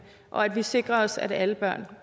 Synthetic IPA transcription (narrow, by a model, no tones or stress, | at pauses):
ʔɒ̽æd̥ʋise̝ɡ̥ʁɐɒ̽sæ̰dæləb̥ɶɐ̰n